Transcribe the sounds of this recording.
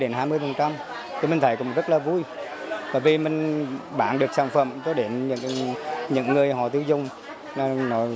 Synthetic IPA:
ɗe˨˦nhɦaː˧jmɨ˧əjfə˨˩nt͡ɕa˧m | t̪ʰi˨˩mï˨˩ŋt̪ʰjkʊ̰˧˥ŋ͡mzə˦˥t̚laː˨˩vu˧j | kɔː˨˩vi˨˩mï˨˩ŋ̟ɓaː˧˦nɗɨ˨˩ək̚saː˧˩nfə̰˧˨mkɔ˨˦ɗe˨˦nɲɨ̰˧˥ŋɲɨ̰˧˥ŋːɨ˨˩əjɦɔ̰˧˨t̪ɨ˨˧˦wzʊ˨˩ŋ͡m | nɔ˨˧˦nɔ˨˦

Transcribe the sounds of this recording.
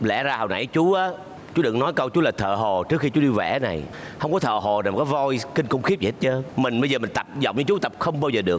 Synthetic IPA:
lɛ̰˧˩zaː˧hə˨˩wna̰˧˩jt͡ɕu˨˦ʔaː˨˦ | t͡ɕu˨˦ɗɨ̰˧˨ŋnɔ˨˦jkə˧wt͡ɕu˨˦laː˨˩t̪ʰə̰ː˧˨ɦo˨˩t͡ɕɨ˦˥əkxi˧t͡ɕu˨˦ɗi˧vɛ̰˧˩˦na˨˩j | hə˧wŋ͡mkɔ˨˦t̪ʰə̰ː˧˨ɦo˨˩na˨˩m˨˩kaː˨˦jvɔ˧jkï˧ŋ̟kʊ˧ŋ͡mxi˦˥p̚zi˨˦˥t̚t͡ɕə˧˦mï˨˩ŋ̟ɓə˧zəː˨˩mï˨˩ŋ̟t̪ə˨˩p̚zɔ̰˧˨wŋ͡mɲɨ˧t͡ɕu˨˦t̪ə˨˩p̚xə˧wŋ͡mɓaː˧wzəː˨˩ɗɨ˨˩ək

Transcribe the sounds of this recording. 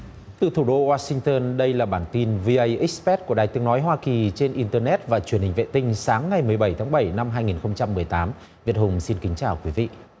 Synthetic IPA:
t̪ɨ˨˩t̪ʰu˧˩ɗo˧waː˧sï˧ŋ̟t̪əː˧nɗə˧jlaː˨˩ɓaː˧˩nt̪i˧nvi˧ʔə˧jʔi˦˥spɛ˦˥t̚ku˧˩əɗaː˨˩jt̪ɨ˨˦əŋnɔ˨˦jɦwaː˧ki˨˩t͡ɕe˧nʔi˧nt̪əː˧nɛ˦˥t̚vaː˨˩t͡ɕwi˧˩ənhï˨˩ŋ̟vḛ˧˨t̪ï˧ŋ̟saː˨˦ŋːa˨˩jmɨ˨˩əjɓə˧˩jt̪ʰaː˨˦ŋɓə˧˩jna˧mɦaː˧jŋi˨˩nxə˧wŋ͡mt͡ɕa˧mːɨ˨˩əjt̪aː˨˦m | vi˨˩ət̚hʊ˨˩ŋ͡msi˧nkï˨˦ŋ̟t͡ɕaː˨˩wkwi˨˦vḭ˧˨ʔ

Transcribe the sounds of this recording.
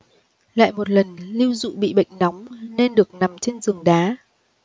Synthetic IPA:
la̰ː˧˨jmo˨˩t̚lə˨˩nli˧wzṵ˧˨ɓḭ˧˨ɓə̰˧˨jŋ̟nɔ˨˦wŋ͡mne˧nɗɨ˨˩ək̚na˨˩mt͡ɕe˧nzɨ˨˩əŋɗaː˨˦

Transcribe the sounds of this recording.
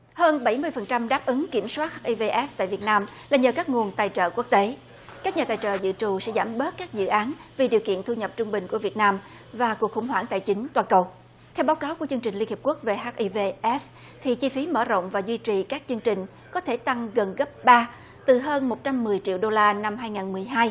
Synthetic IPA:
həː˧nɓə˧˩jmɨ˧əjfə˨˩nt͡ɕa˧mɗaː˦˥p̚ʔɨ˨˦ŋki˧˩əmswaː˦˥t̚haː˦˥ʔi˧ve˧ʔɛ˦˥st̪a̰ː˧˨jvi˨˩ət̚naː˧mlaː˨˩ɲəː˨˩kaː˦˥k̚ŋu˨˩ənt̪aː˨˩jt͡ɕə̰ː˧˨ku˦˥ək̚t̪e˨˦ | kaː˦˥k̚ɲaː˨˩t̪aː˨˩jt͡ɕə̰ː˧˨zɨ̰˧˨t͡ɕu˨˩sɛ̰˧˥zaː˧˩mɓəː˦˥t̚kaː˦˥k̚zɨ̰˧˨ʔaː˨˦nvi˨˩ɗi˨˩əwkḭ˧˨ənt̪ʰu˧ɲə˨˩p̚t͡ɕʊ˧ŋ͡mɓï˨˩ŋ̟ku˧˩əvi˨˩ət̚naː˧m | vaː˨˩ku˨˩ək̚xʊ˧˩ŋ͡mɦwaː˧˩ŋt̪a̰˧˨jt͡ɕï˨˦ŋ̟t̪waː˧˩nkə˨˩w | t̪ʰɛ˧wɓaː˨˦wkaː˨˦wku˧˩ət͡ɕɨ˧əŋt͡ɕï˨˩li˧nhi˨˩p̚ku˦˥ək̚ve˨˩ɦaː˦˥t̚ʔi˧ve˧ʔɛ˦˥s | t̪ʰi˨˩t͡ɕi˧fi˨˦məː˧˩zo̰˧˨wŋ͡mvaː˨˩zwi˧t͡ɕi˨˩kaː˦˥k̚t͡ɕɨ˧əŋt͡ɕï˨˩ŋ̟ | kɔ˨˦t̪ʰe˧˩t̪a˧ŋɣə˨˩nɣə˦˥p̚ɓaː˧ | t̪ɨ˨˩ɦəː˧nmo˨˩t̚t͡ɕa˧mːɨ˨˩əjt͡ɕḭ˧˨əwɗo˧laː˧na˧mɦaː˧jŋaː˨˩nmɨ˨˩əjɦaː˧j

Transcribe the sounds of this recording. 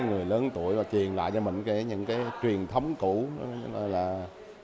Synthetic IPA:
jŋɨ˨˩əjləː˨˦nt̪u˧˩əjmaː˨˩t͡ɕwi˨˩ənla̰ː˧˨jt͡ɕɔ˧mï˨˩ŋ̟kɛ˧˦ɲɨ̰˧˥ŋkaː˨˦jt͡ɕwi˨˩ənt̪ʰə˨˦wŋ͡mku˧˥n˨˧˦no˧˩jlaː˨˩

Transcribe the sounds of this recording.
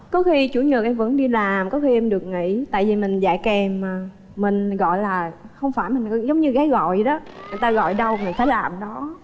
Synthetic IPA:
kɔ˨˦xi˧t͡ɕu˧˩˦ɲɨ˨˩k̚ʔɛ˧mvə̰˧˥nɗi˧laː˨˩mkɔ˨˦xi˧ʔɛ˧mɗɨ˨˩ək̚ŋḭ˧˥t̪a̰ː˧˨jvi˨˩mï˨˩ŋ̟za̰ː˧˩jkɛ˨˧maː˨˩ | mï˨˩ŋ̟ɣɔ̰˧˨jlaː˨˩xə˧wŋ͡mfaː˧˩jmï˨˩ŋ̟˨˦zə˨˦wŋ͡mɲɨ˧ɣaː˨˦ɣɔ̰˧˨jɗɔ˨˦ŋɨ˨˩jt̪aː˧ɣɔ̰˧˨jɗə˧wŋɨ˨˩jt̪ʰaː˨˦laː˨˩mɗɔ˨˦

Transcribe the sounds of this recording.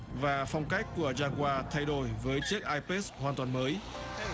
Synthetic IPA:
vaː˨˩fa˧wŋ͡mka˦˥jk̟̚kːu˧˩əzaː˧kwaː˧t̪ʰa˧jɗo˧˩jvəː˨˦jt͡ɕɨ˦˥ək̚ʔaː˧jpe˦˥shwaː˨˩nt̪waː˨˩nməː˨˦j

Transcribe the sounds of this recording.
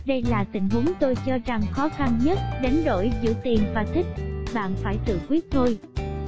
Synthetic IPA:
ɗə˧jlaː˨˩t̪ï˧˨ŋ̟ɦu˨˦ənt̪o˧jt͡ɕɔ˧za˨˩ŋxɔ˨˦xa˧nɲə˦˥t̚ɗa˨˦jŋ̟ɗo̰˧˩jzɨ̰˧˨t̪i˨˩nvaː˨˩t̪ʰï˦˥k̟̚ɓa̰ː˧˨nfaː˧˩jsɨ̰˧˨kwi˦˥t̚t̪ʰo˧j

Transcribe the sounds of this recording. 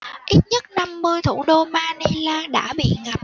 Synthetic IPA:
ʔi˦˥t̚ɲə˦˥t̚na˧mːɨ˧əjt̪ʰu˧˩ɗo˧maː˧ni˧laː˧ɗa̰ː˧˥ɓḭ˧˨ŋa˨˩p̚

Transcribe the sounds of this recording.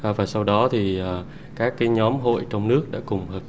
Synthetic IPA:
ʔːvaː˨˩jsa˧wɗɔ˨˦t̪ʰi˨˩ʔaː˨˩ | kaː˦˥kːaː˨˦jɲɔ˨˦mɦo̰˧˨jt͡ɕɔ˧wŋ͡mnɨ˦˥ək̚ɗa̰ː˧˥kʊ˨˩ŋ͡mhəː˨˩p̚

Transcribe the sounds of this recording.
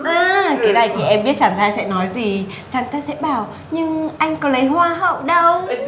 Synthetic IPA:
ʔaː˨˩k̪əː˨˦na˧˩jt̪ʰi˨˩ʔɛ˧mɓi˦˥ət̚t͡ɕaː˧˩nt̪ʰaː˧jsɛ̰˧˥nɔ˨˦jzi˨˩ | t͡ɕaː˧˩nt̪ə˨˦˥t̚sɛ̰˧˥ɓaː˧˩w | ɲɨ˧ŋʔa˧jŋ̟kɔ˨˦lə˨˦jhwaː˧ɦə̰˧˨wɗə˧w

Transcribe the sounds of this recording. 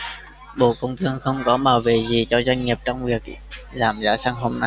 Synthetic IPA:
ɓo̰˧˨kə˧wŋ͡mt̪ʰɨ˧əŋxə˧wŋ͡mkɔ˨˦ɓaː˧˩wvḛ˧˨zi˨˩t͡ɕɔ˧zwa˧jŋ̟ŋi˨˩əp̚t͡ɕɔ˧wŋ͡mvi˨˩ək̚laː˨˩mzaː˧˥saː˧ŋɦo˧mna˧j

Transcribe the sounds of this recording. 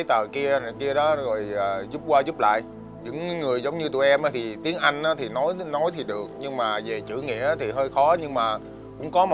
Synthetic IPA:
jt̪əː˨˩ki˧ə˨˩ki˧əɗɔ˨˦zo˨˩jːzu˦˥p̚kwaː˧zu˦˥p̚la̰ː˧˨jʔ | ɲɨ̰˧˥ŋːɨ˨˩əjzə˨˦wŋ͡mɲɨ˧t̪ṵ˧˩jʔɛ˧mʔaː˨˦t̪ʰi˨˩t̪i˨˦əŋʔa˧jŋ̟ʔaː˨˦t̪ʰi˨˩nɔ˨˦jnɔ˨˦jt̪ʰi˨˩ɗɨ˨˩ək̚ɲɨ˧ŋmaː˨˩ve˨˩t͡ɕɨ̰˧˩ŋḭ˧˥əʔaː˨˦t̪ʰi˨˩ɦəː˧jxɔ˨˦ɲɨ˧ŋmaː˨˩ | kʊ̰˧˥ŋ͡mkɔ˨˦m˨

